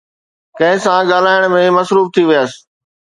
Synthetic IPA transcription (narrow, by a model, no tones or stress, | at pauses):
kɐ̃ɦɪ̃sãɠaːlaːɪɽ̃mẽmɐsɾuːft̪ʰiʋijəs̆